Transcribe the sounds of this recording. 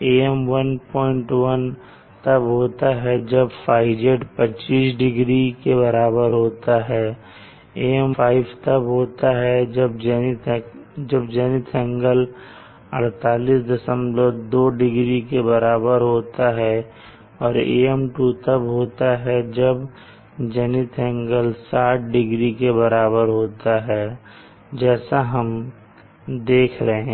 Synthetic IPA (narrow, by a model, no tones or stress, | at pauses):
eːɛmʋənpɔːɪ̃ɳʈwən | t̪ɐbɦoːt̪aɦɛd͡ʒɐbpʰaːɪd͡ʒeʈpət͡ʃiːsɖɪɡɾikebɐɾaːbəɾɦoːt̪aɦɛː | eːɛmfʰaːɪbt̪əbɦoːt̪aɦɛd͡ʒəbd͡ʒ | d͡ʒɐbd͡ʒɛːnɪt̪ʰɛ̃ŋɡəl | ɐɽ̤t̪aːlisd̪ɪsə̃mbɾəɾd̪oːɖɪɡɾikebɐɾaːbəɾɦoːt̪aɦɛ | ɔːɾḛːɛmʈuːt̪əbɦoːt̪aɦɛd͡ʒɐb | d͡ʒɛnɪt̪ʰɛ̃ŋɡəlsaːʈ̚ʰɖɪɡɾikebɐɾaːβəɾɦoːt̪aɦɛː | d͡ʒɛːsaɦɐm | d̪eːkʰɾɐɦẽː